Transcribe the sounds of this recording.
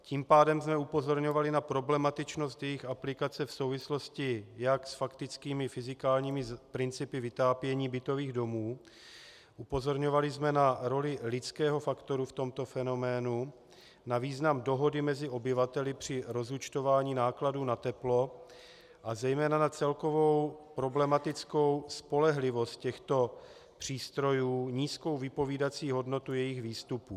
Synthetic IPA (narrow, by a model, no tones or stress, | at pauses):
ciːmpaːdɛmzmɛupo̞zo̞ɾɲo̞valɪnapɾo̞blɛmat̪ɪt͡ʃno̞st̪jɛjɪxaplɪkat͡sɛfso̞wvɪslo̞scɪjaksfakt̪ɪt͡skiːmɪfɪzɪkaːlɲiːmɪzpɾɪnt͡sɪpɪvɪt̪aːpjɛɲiːbɪt̪o̞viːɣdo̞muː | ʔupo̞zo̞ɾɲo̞valɪzmɛnaɾo̞lɪlɪt͡skɛːɦo̞fakt̪o̞ɾuft̪o̞mt̪o̞fɛno̞mɛːnu | naviːznamdo̞ɦo̞dɪmɛzɪʔo̞bɪvat̪ɛlɪpr̝̥ɪɾo̞zut͡ʃt̪o̞vaːɲiːnaːkladuːnat̪ɛplo̞ | ʔazɛjmɛːnanat͡sɛlko̞vo̞wpɾo̞blɛmat̪ɪt͡sko̞wspo̞lɛɦlɪvo̞st̪̚cɛxt̪o̞ | pr̝̥iːst̪ɾo̞juːɲiːsko̞wvɪpo̞viːdat͡siːɦo̞dno̞t̪ujɛjɪɣviːst̪upuː